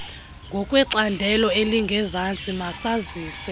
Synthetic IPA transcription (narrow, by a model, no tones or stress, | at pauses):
ŋɡʱɔkʼwɛǀandʱɛlɔeliŋɡʱɛzant͡sʼimasaziːsɛ